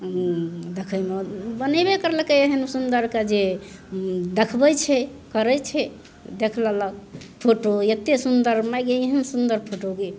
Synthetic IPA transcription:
d̪ekʰəjmebənəbekəɾləkeeɦənsund̪əɾkad͡ʒe | d̪ekʰbəjt͡ʃʰɛ | kəɾət͡ʃʰɛ | d̪ekʰlalək̚pʰoʈojet̪esund̪əɾmajɡeiɦənsund̪əɾpʰoʈoɡe

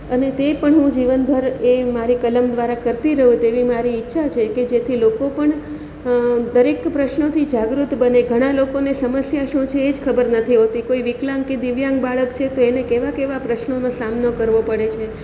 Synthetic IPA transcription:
ənet̪epəɳɦũd͡ʒiʋənbʱəɾemaɾikələmd̪ʋaɾakəɾt̪iɾəɦũt̪eʋimaɾiːtːʃʰat͡ʃʰeked͡ʒet̪ʰilokopəɳ | d̪əɾekpɾəʃnot̪ʰid͡ʒaɡɾut̪bəneɡʱəɽ̃ãlokonesəməsjaʃũt͡ʃʰeːd͡ʒkʰəbəɾnət̪ʰiɦot̪ikoiʋiklãŋked̪iʋjãŋɡbaɭəkt͡ʃʰet̪oenekeʋakeʋapɾəʃnonosamnokəɾʋopəɽet͡ʃʰe

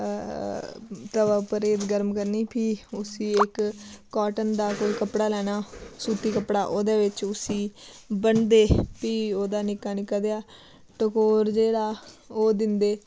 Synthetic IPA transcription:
t̪əʋaːpəɾeːd̪ɡəɾmkəɾniːpʰiːʊsĩːɪkːaːʈənd̪aːkoːiːkəpɽaːlɛːɽaːsuːt̪iːkəpɽaːʔoːd̪eːʋɪt͡ʃʊsĩːbənd̪eːpiːoːd̪aːnɪkaːnɪkːaːd̪eaː | ʈəkoːɾd͡ʒeːɽaːoːd̪ɪnd̪eː

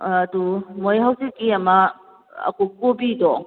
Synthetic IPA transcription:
ɐdumojɦawsikiɐmɐ | ɐ̰kop̚kobidɔ

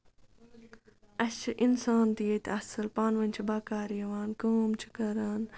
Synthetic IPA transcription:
ɐst͡ʃʰiʔinsaːnt̪ijet̪ʰɐsɨlpaːnʋɐnʲt͡ʃʰibaːkaːɾijɐʋaːnkoːmt͡ʃʰi̥kɐɾaːn

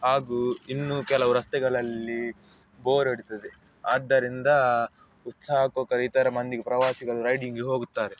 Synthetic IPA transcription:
ɦaːɡuinːukɛlɐʋɐɾɐst̪ɛɡɐɭɐlːi | boːɾeɽit̪ɐd̪e | aːd̪ːɐɾind̪ɐ | ut̪saːɐkoːkɐɾit̪ɐɾɐmɐnd̪iɡepɾɐʋaːsiɡɐluɾɐjɖiŋɡeɦoːɡut̪ːaːɾe

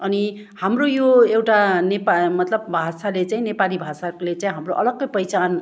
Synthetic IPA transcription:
ʌni | hamrojoewʈanepamʌt̪lʌbbʱasalet͡saĩnepalibʱasalet͡saĩɦamroʔʌlʌɡːʌjpʌjt͡san

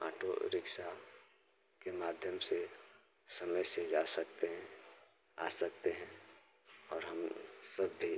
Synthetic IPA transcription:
a̰ːʈo̰ɾɪkʃa | kemaːd̪ʱjəmse | səməjsed͡ʒaːsək̚t̪eɦɛ̃ | a̰ːsəkt̪eɦɛ̃ | ɔːɾɦəmsəbːi

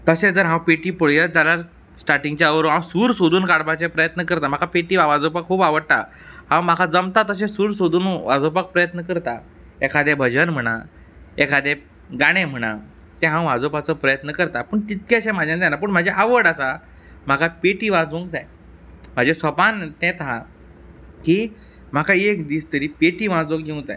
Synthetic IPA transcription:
t̪əsed͡zəɾɦãwpeʈiːpəɭjət̪̚d͡zaljaɾ | sʈaɾʈiŋɡt͡ɕjaəʋɾoãsuːɾsod̪ʱuːnkaɽbat͡sẽpɾəjət̪nəkəɾt̪am̤akʰapeʈiːʋaʋad͡zopakʰuːpaʋəɽt̪a | hãw̃m̤akʰad͡zəmt̪at̪əs̬ẽsuːɾsod̪uːnʋad͡zopak̚pɾəjət̪nəkəɾt̪a | ekʰad̪ebʱəd͡ʑənm̤əɽ̃a̰ | ekʰad̪e | ɡaɽ̃em̤əɽ̃a | t̪ẽɦãw̃ʋad͡zopat͡səpɾəjət̪nəkəɾt̪apəɳt̪it̪̚keɕẽmad͡ʑʱjãnd̪janap̬əɳm̤ad͡ʑeʔaʋəɽəsa | m̤akʰapeʈiːʋãd͡zõŋɡd͡zaj | m̤ad͡ʑesəpant̪ɛ̃t̪ɦã | kiː | m̤akʰaekd̪iːst̪əɾiːpeʈiːʋãd͡zõɡɡew̃t̪a̰j

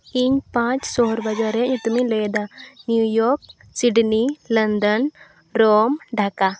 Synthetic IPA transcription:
iɲpãt͡ʃsɔɦɔɾbad͡ʒaɾɛɲut̪umiləjd̪anjujɔɾk̚ | siɖnilənd̪ən | ɾomɖʱaka

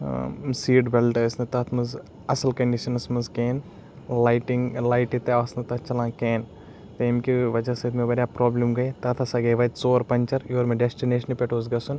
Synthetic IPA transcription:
siːɖbelʈɐɐsnɨt̪ɐt̪ʰmɐz | ɐsɐlkɐɳɖiʃɐnɐsmɐzkeːn | lɐjʈiŋlɐjʈit̪ːɐasnɨt̪ɐt͡ʃɐlãːkeːn | t̪ɐimkʲiʋɐd͡ʒɐsɐt̪meʋɐɾʲjaːpɾoːblimɡɐjt̪ɐt̪ʰɐsaɡɐjʋɐt̪t͡soːɾpɐɲʲt͡ʃɐɾjoːɾmeɖesʈineːʃɐnpʲeʈʰoːzɡɐsun

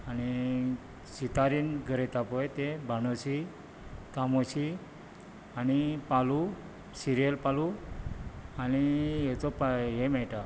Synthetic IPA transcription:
añi | ɕit̪aɾiːnɡʱəɾet̪apɔjt̪ebʱañoɕi | k̪amoɕi | añipalu | siɾijəlpalu | añijet͡sɔpaɦemɛɭʈa

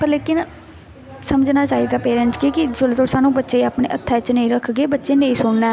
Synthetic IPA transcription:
pəɾleːkɪn | səməd͡ʒnaːt͡ʃaːiːd̪aːpeːɾə̃ɳʈkikid͡ʒolt̪oɽsaːnũːbətːʃeːaːpɳḛːʔət̪ʰːɛːt͡ʃnə̃ĩːɾəkʰɡeːbətːʃeːnəĩːsʊɳnɛː

